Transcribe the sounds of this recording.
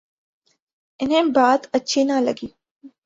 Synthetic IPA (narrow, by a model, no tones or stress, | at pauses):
ɪnɦẽːbaːd̪ɐtːʃʰiːnaːlɐɡiː